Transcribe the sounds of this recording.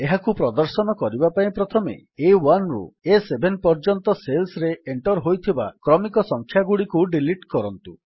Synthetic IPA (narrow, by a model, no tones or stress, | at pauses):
eɦakupɾɔd̪ɔɾsɔnɔkɔɾibapaĩpɾɔt̪ʰɔmḛewanɾṵesebʱenpɔɾd͡ʒɔnt̪ɔselsɾeeɳʈɔɾɦojt̪ʰiba̰kɾɔmikɔsɔŋkʰjaɡuɽikuɖiliʈkɔɾɔnt̪u